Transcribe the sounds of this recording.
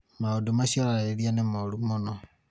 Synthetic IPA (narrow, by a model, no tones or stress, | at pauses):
maodumaʃialaeɾianemalumonɔ